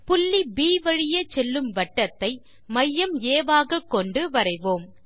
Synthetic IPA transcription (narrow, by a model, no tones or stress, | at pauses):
pʊlːibiːʋɐɻɪjɐt͡ʃɛlːɯmʋɐʈːɐt̪ːɐɪ | mɐjːɐmeːʋaːɣɐkːɔɳɖɯʋɐɾɐɪʋoːm